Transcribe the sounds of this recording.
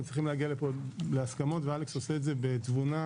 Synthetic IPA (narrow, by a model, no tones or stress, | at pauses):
tt͡sʁiχimleaɡialepoleaskamo̞tvealekso̞seːtze̞bet͡svuna